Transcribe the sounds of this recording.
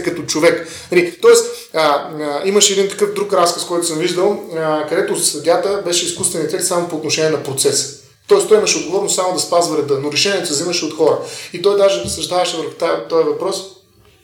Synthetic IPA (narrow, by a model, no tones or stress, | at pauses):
kɐt̪ot͡ʃovɛk | nɐlit̪ɔɛst̪əiməʃɛːd̪int̪ɐ̥kɤfd̪ɾukɾaskəskɔjt̪ʊ̥səmviʒd̪əlˠkɐd̪ɛt̪osɐd̪ʲat̪əbɛʃɛiskust̪vɛnɛfɛkt̪samopoːt̪noʃɛniɛnɐpɾot̪sɛsə̥ | t̪ɔɛst̪ɔimɐʃɛod̪ɡovɔɾnst̪samod̪ɐspazvɐɾɛd̪ɐnoɾɛʃɛnʲiɛt̪osɐziməʃɛot̪xɔɾəit̪ɔjd̪aʒɛpɾɛt̪sɐʒd̪avəʃɛvəɾxʊ̥t̪at̪ɔɛvɐpɾɔs